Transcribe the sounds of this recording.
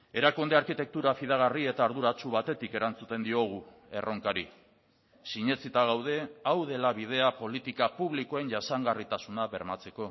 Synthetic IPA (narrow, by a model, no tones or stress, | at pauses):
e̞ɾakund̪eaɾkit̪e̞k̚t̪uɾafiðaɣ̞arie̞t̪aːɾðuɾat͡ʃuβat̪e̞t̪ike̞ɾant͡sut̪e̞nd̪io̞ɣ̞u | e̞̰ro̞ŋkaɾḭ | siɲe̞t͡sit̪aɣ̞awð̞e̞awð̞e̞laβ̞ið̞e̞apo̞lit̪ikapuβliko̞e̞nʝasaŋɡarit̪asunaβe̞ɾmat͡se̞ko̞